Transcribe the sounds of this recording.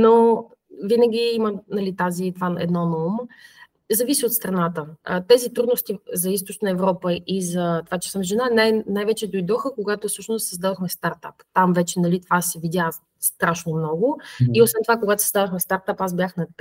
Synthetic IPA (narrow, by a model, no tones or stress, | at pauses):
no | vinəɡʲiimənɐlit̪azit̪vaɛ̰d̪nɔnoum | zɐvisʲiot̪st̪ɾɐnat̪ət̪ɛzit̪ɾud̪nost̪izɐist̪ot͡ʃnəɛvɾɔpəʔizɐt̪ovat͡ʃɛ̥səmʒɛnanajnajvɛt͡ʃɛd̪ojd̪ɔxəkoɡat̪ofsɤʃnost̪sizd̪ad̪oxmɛst̪aɾt̪a̰pt̪amvɛt͡ʃɛnɐlit̪ovasɛvidʲja | st̪ɾaʃnomnɔɡʊiosvɛnt̪ovakoɡat̪o̥sɛzd̪ad̪oxmɛst̪aɾt̪apazbʲjaxnɐ